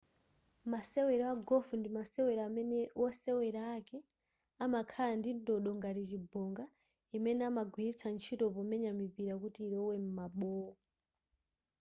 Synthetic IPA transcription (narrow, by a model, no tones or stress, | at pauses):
masɛwɛɾawaɡɔfundimasɛwɛɾaːmɛnɛwʔɔsɛwɛɾaːkɛ | amakʰaandindɔɗɔŋɡaɾit͡ʃibɔŋɡa | imɛnɛamaɡʱwiɾit͡sʰant͡ʃʰitɔpɔmɛɲamipiɾakutiːɾɔwɛm̩maɓɔːɔ